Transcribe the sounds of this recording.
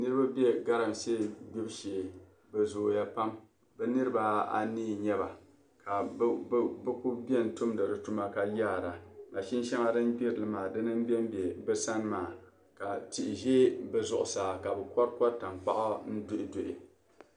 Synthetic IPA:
nɨ˦ɾɨ˦ba˦bɛ˦ɡa˦ɾɨ˨m˨seː˦˨ɡ͡bi˦bʃe˨ | bɛ˨zoː˨ja˦pa˦m | bɛ˨nɨ˦ɾɨ˦ba˦a̰˦niː˦˨ɲɛ˦ba˨ | ka˨˦ | bɨ˦ku˦bbɛ˦˨n̩˨tu˦mdɨ˨ɾɨ˨tu˦ma˦ka˨ja˦˨ɾa˨ma˨ʃi˦n˦ʃa˦ŋa˦dɨ˦nɡ͡bi˦ɾlɨ˨maː˨dɨ˦nɨ˦m˦bɛ˦m˦be˨bɛ˦sa˦nmaː˨ | ka˨ti˨ʔɪ˨ʒeː˦bɛ˨zʊ˨ʔʊ˨saː˨ka˨bɛ˨kɔ˦ɾkɔ˦ɾta˨mk͡pa̰˦ʔa˦n̩˦dʊ˦ʔɪ˨do˨ʔɪ˨

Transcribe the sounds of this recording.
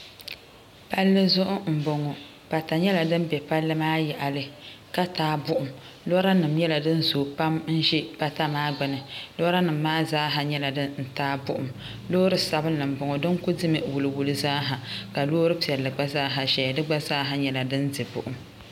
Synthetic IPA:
pa˦lːɨ˦zʊ˦ʔʊ˦m̩˨bo˨ŋɔ˨ | pa˨ta˨ɲɛ˦la˨dɨ˦mbɛ˨pa˦lːɨ˦maː˦jɛ˨ʔa˨lɨ˨ | ka˦taː˦bʊ˦ʔʊ˨m | lo˦ɾa˦nɨ˨mɲɛ˦la˨dɨ˦nzo˨pa˦mn̩˦ʒɛ˦pa˦ta˦maː˦ɡ͡bɨ˨nɨ˨lo˦ɾa˦nɨ˨m̩ːaː˦zaː˦ɦa˨ɲɛ˦la˨dɨ˦nn̩˨taː˦bʊ˦ʔʊ˨m | loː˦ɾɨ˦sa˨bɨ˦nɨ˨m̩˨bɔ˨ŋɔ˨dɨ˦ŋkʊ˦dɨ˦mɨ˨wu˨lɨ˨wu˨lɨ˨zaː˦ɦa˨ka˨loː˦ɾɨ˦pi˨ɛ˨lːɨ˨ɡ͡ba˦zaː˦ɦa˨ʃɛ˨dɨ˦ɡ͡ba˦zaː˦ɦa˨ɲɛ˨la˨dɨ˦ndɨ˨bʊ̰˨ʔʊ˨m

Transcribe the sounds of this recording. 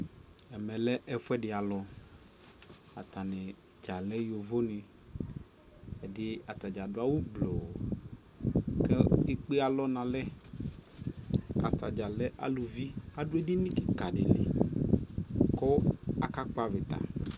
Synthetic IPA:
ɛ˨mɛ̃˨lɛ˦ʔɛ˦fɛ˦ɖɪ˨a˨lɔ˨ | a̰˨t̪a˨ne˨ | d͡ʒa˨lɛ˦jo˨vo˦nẽ˨ | ɛ˨dɪ˦a˨t̪a˨d͡ʒa˨dʊ˦a˦wu˦ɡ͡blo˨ | kɛ˦e˦k͡pe˦a˨lɔ˦nã˨lɛ˦ | a̰˨t̪a˨d͡ʒa˨lɛ˦ʔa̰˨lo˨vi˦a˨ɖʊ˦ɛ˦di˦nĩ˦ki˦ka˨ɖɪ̰˨lḛ˨ | kɔ˦a̰˨ka˦k͡pa˦vɪ˨t̪a̰˨

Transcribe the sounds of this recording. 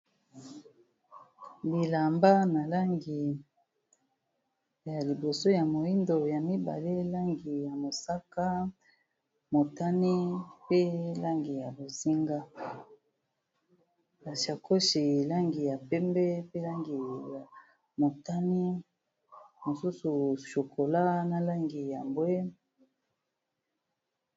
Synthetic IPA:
bi˨la˨mba˦na˨la˦ŋɡi˨ | ja˨li˨bo˨so˦ja˨mo˨i˦ndo˨ja˨mi˦ba̰˨le˦la˦ŋɡi˨ja˨mo˨sa˦ka˦ | mo˨ta˦ni˦pe˦la˦ŋɡi˨ja˨bo˨zi˦ŋɡa˦ | ba˨ʃa˨ko˦ʃi˨la˦ŋɡi˨ja˨pɛ˦mbɛ˦pe˦la˦ŋɡi˨ja˨ | mo˨ta˦ni˦ | mo˨su˦su˨ʃo˨ko˨la˦na˨la˦ŋɡi˨ja˨mbwe˦

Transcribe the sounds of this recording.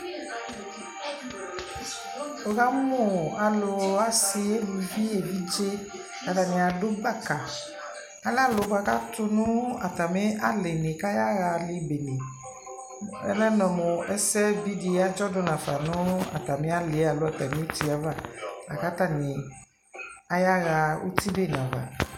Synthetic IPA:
o˨ɣa˦mo˦˨a˨lo˨a˨si˨e˦bu˨vi˦e˨vi˦d͡ʒe˦˨ | ka˨t̪a˨nẽ˨a˨ɖo˦ba˦ka˨ | a˦la˦lo˨va˨ka̰˦t̪u˦nũ˦a˨t̪a˨me˦a˦le˨nẽ˨ka˦ja˦ɣa˨li˨be˨nẽ˨ | ɛ̰˦lɛ˦nɔ̃˨mo˨ɛ˦sɛ˦vi˦di˨˦a˦d͡ʒɔ˦do˨˦nã˨fa˨nũ˦a̰˨t̪a˨mẽ˦a˦le˨˦a˨lo˨˦a˨t̪a˨mĩ˦e˦t̪i˨˦a˦va˦a̰˨ka˦t̪a˦˨nĩ˨ | a˨ja˦ɣa˧o̰˦t̪i˦be˦˨nã˨va̰˨

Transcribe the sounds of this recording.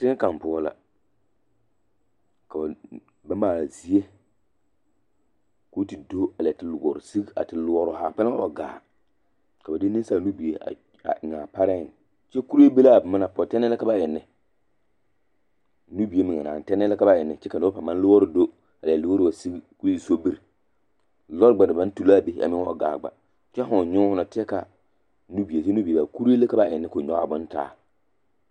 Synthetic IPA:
tɪ˦ŋ˦ka˨m˨pʊ˦ɔ˦la̰˦ | ka˨ | ba˦maː˦˨zi˦e˦ | ko˦ti˨do˦a˨la˨tɪ˨lɡɔ˨ɾʊ˨si˦ɡa̰˨tɪ˨lʊ˨ɔ˨ɾʊ˨ha˨pɛ˦la˦a˨ɡa̰ː˨ | ka˨ba˨dɪ˦nɪ˦n˦sa˦˨nu˦bi˨e˨a̰˨ | a˨ŋa˨pa˦ɾɛ˦˨n˨ | t͡ʃɛ˦ku˦ɾe˦be˦la˦˨bma˦a˨pɔ˨tɛ˦n˦ɛ˦la˦ka˦ba˦jɛ˨nːɪ˨ | nu˦bi˨e˦mɪ˨ŋa˨naː˨n˨tɛ˦nɛ˦la˦ka˦ba˦˨ɪ˨nːɪ˨t͡ʃɛ˦ka˨nʊ˦a˦pa˨ma˦n˦lo˦ɔ˦ɾɪ˦do˦ | a˨lːlu˦o˦ɾɪ˦˨a˨si˦ku˦ɾi˦i˨so˦bi˦ɾ | lɔ˦ɾɡ͡ba˨dɪ˨ba˨˦n˦tu˨la˦˨be˨˦ʔa̰˨mɪ̃˦ŋ˦ɔ˦ɡa̰ː˨ɡ͡ba̰˨ | t͡ʃɛ˦ɦʊ˨ɲʊ˦hʊ˦na˨tɪ˦ɛ˦ka˨ | nu˦bi˨e˨t͡ʃɛ˦nu˦bi˨e˨a˨ku˦ɾe˦le˦ka˨˦ba˨ʔɪ˨nːɪ˦kʊ˨ɲɔ˦˨bʊ˦n˦ta̰ː˨˦˨

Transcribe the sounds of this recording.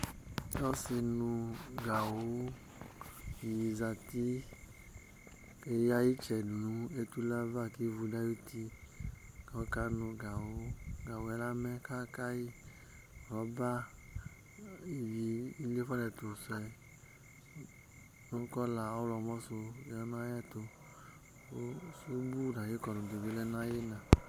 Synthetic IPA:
ɔ˦si˧nũ˧ɡa˨wo˦˨ | ji˨za˨ti˦ | e˧ja˦ji˦t͡ʃɛ˨nu˨nũ˨˦e˦tu˦la˦va˦˨ki˦vu˧da˦ju˦ti˧ | ka˦ka˦nũ˧ɡa˨wo˨˦ɡa˨wo˨ɛ˦la˦mɛ˦ka˦ka˦ji˦˨ | ɾɔ˨˦ba˦ | i˨vi˧i˦le˦fɔ˦lɛ˨˧to˨sɛ˧ | no˦kɔ˦la˨˦lɔ˧mɔ˦so˧˨ɔ˧˦na˦jɛ˦to˧˦ | su˦bu˦˨da˨je˦kɔ˧˨no˨de˨ve˦lɛ˧˦na˦je˦na˨

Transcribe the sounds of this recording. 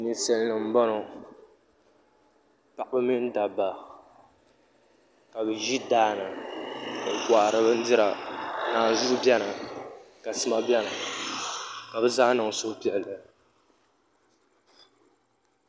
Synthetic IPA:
ni˦sɛ˦lnɨ˨m̩˦ba˦no˨ | pa˨ʔbɨ˦mi˦n˦da˨ba˨ | ka˨bɨ˨ʒi˦daː˦nɨ˨ | ɡʷa˨ʔɾɨ˦bɨ˦n̩˦dɪ˦ɾa˨naː˨zu˦bɛ˦nɨ˨ | ka˨sɨ˦ma˦bɛ˦na˨ | ka˨bɨ˦zaː˦nɨ˨ŋ˨sʊ˦pi˨ʔɛ˨lːɨ˨

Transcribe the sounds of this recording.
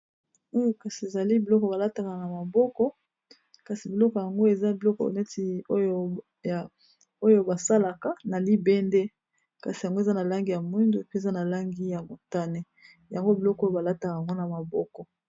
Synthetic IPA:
o˦ka˨si˨e˨za˨li˦bi˨lɔ˦kɔ˨ba˨la˦ta˨ka˨na˨ma˨bɔ˦kɔ˦ | ka˨si˨bi˨lɔ˦kɔ˨ja˨ŋɡo˦e˨za˦bi˨lɔ˦kɔ̰˨ne˦ti˨o˦jo˦ | a˨ | o˦jo˦ba˨sa˦la˨ka˨na˨li˦bɛ˦nde˦ | ka̰˨si˨ja˨ŋɡo˦e˨za˦na˨la˦ŋɡi˦ja˨mwi˦ndo˨pe˨za˦na˨la˦ŋɡi˦ja˨mo˨ta˦ne˦ | ja˨ŋɡo˦bi˨lɔ˦kjo˦ba˨la˦ta˨ka˨a˨ŋɡo˦na˨ma˨bɔ˦kɔ˨

